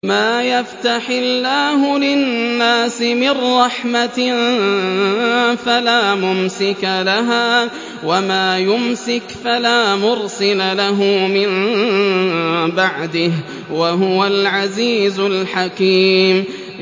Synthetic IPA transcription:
maːjaft̪aħɪlːaːɦʊlɪnːaːsɪmɪrːɑħmat̪ | falaːmʊmsɪkalaɦaː | wamaːjʊmsɪkfalaːmʊɾsɪlalaɦʊmɪn | baʕd̪ɪh | waɦʊwalʕaziːzʊlħakiːm

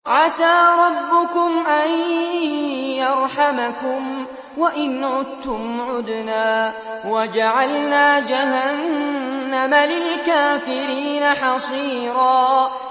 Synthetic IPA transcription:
ʕasaːɾˤɑbːʊkʊmʔan | jɑɾˤħamakʊm | waʔɪnʕʊd̪t̪ːʊmʕʊd̪naː | wad͡ʒaʕalnaːd͡ʒaɦanː | amalɪlkaːfɪɾiːnaħɑsˤiːɾɑː

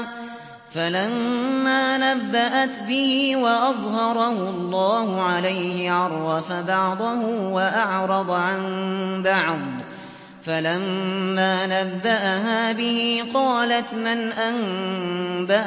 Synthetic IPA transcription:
falamːaːnabːaʔat̪bɪhiːwɑʔɑðˤhɑɾˤɑhʊɑlˤːɑːhʊʕalajhɪʕɑɾˤwɑfabɑʕd̪ˤʊhʊwaʔɑʕɾˤɑd̪ˤʕanbɑʕd̪ˤ | falamːaːnabːaʔaɦaːbɪhiːqɑːlat̪manʔan | baʔ

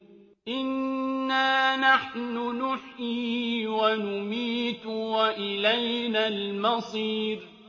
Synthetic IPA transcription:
ʔɪnːaːnaħnʊnʊħiːwanʊmiːt̪waʔɪlajnaːlmɑsˤiːɾ

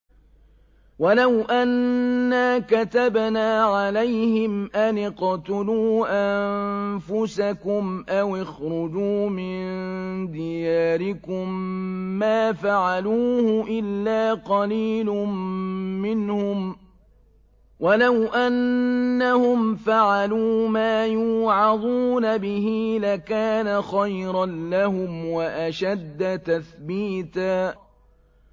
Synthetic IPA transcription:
walawʔanːaːkat̪abnaːʕalajhɪmʔanɪqt̪ʊluːʔammfʊsakʊmʔawɪxɾʊd͡ʒuːmɪnnd̪ɪjaːɾɪkʊmː | aːfaʕaluːhʊʔɪlːaːqɑliːlʊmːɪnhʊm | wʔalawʔanːahʊmfaʕaluːmaːjuːʕɑd̪ˤuːnabɪɦilakaːnaxajɾɑnlahʊmwaʔaʃad̪ːat̪aθbiːt̪aː

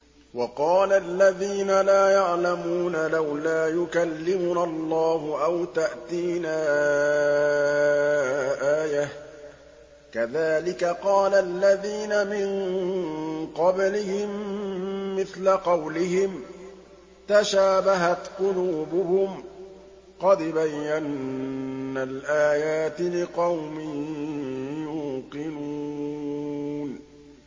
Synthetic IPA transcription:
wɑqɑːlalːaðiːnalaːjaʕlamuːnalawlaːjʊkalːɪmʊnalˤːɑːhʊʔawt̪aʔt̪iːnaː | ʔaːjah | kaðaːlɪkaqɑːlalːaðiːnamɪɴ | qɑblɪhɪmː | ɪθlaqɑwlɪhɪm | t̪aʃaːbaɦat̪qʊnuːbʊhʊm | qɑd̪bajːanː | alʔaːjaːt̪lɪqɑwmɪn | juːqɪnu | n

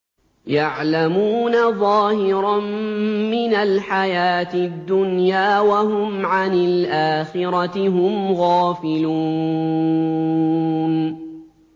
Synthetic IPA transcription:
jaʕlamuːnaðˤɑːhɪɾɑnmɪnalħajaːt̪ɪd̪ːʊnjaːwaɦʊmʕanɪlʔaːxɪɾɑt̪ɪɦʊmɣaːfɪluː | n

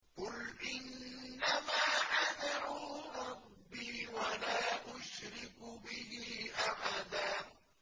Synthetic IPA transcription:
qʊlʔɪnːamaːʔamɪɾuːɾˤɑbːiːwalaːʔʊʃɾɪkbɪɦiːʔaħad̪aː

